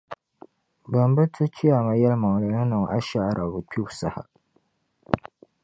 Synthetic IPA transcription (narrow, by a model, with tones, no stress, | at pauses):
ba˨mbɨ˦tʰɨ˦t͡ʃi˦ja˨ma˨jɛ˦lma˨ŋ˨la˨nɨ˦nɨ˨ŋʔa̰˦ʃa˦ɾʔa˨bɨ˨pʰi˦wsa˦ha̰˨